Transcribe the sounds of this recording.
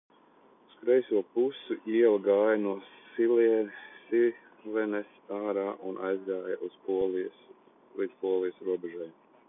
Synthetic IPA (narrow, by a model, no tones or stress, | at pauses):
uskɾɛjsuɔpusuʔiɛlˠɡaːjnuɔsiliɛnsi | lɛnɛsaːɾaːʔunʔa̰jzɡaːjaʔusplis | lid̪zpuɔlˠijsɾuɔbɛʒɛjm